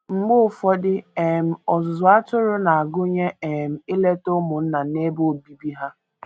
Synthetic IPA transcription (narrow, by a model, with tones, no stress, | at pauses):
ŋ͡m̩˨ɡ͡bʊ˦˨fɔ˦dɪ˦e˨m̩˨ɔ˨zʊ˨a˦tʊ˦ɾʊ˦na˨a˨ɡʊ˦ɲe˦e˨m̩˨ɪ˦le˦tʊ˦mʊ˨n̩˦na˨ne˦bo˦o˦˨bi˦bi˦ɦa˦